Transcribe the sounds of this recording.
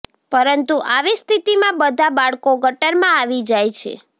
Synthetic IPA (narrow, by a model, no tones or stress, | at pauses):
pəɾənt̪uʔaʋist̪ʰit̪imãbəd̪ʱabaɭkoɡʱəʈəɾmãaʋid͡ʒajt͡ʃʰḛ